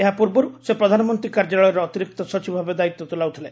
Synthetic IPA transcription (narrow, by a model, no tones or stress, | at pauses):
eɦapuɾbɔɾusepɾɔd̪ʱanɔmɔnt̪ɾikaɾd͡ʒaɭɔjɔɾɔːt̪iɾik̚t̪ɔsɔt͡ʃibɔbʱabed̪ait̪ːɔt̪ulawt̪ʰile